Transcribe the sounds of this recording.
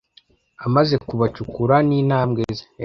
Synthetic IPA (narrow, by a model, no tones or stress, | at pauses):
amaze̞kuβacukuɾaniːnaːmɡeze